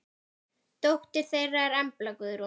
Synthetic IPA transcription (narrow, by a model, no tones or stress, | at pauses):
t̪owht̪ɪɾ̥θejrːaɛɾɛmplakʏðʏɾɔ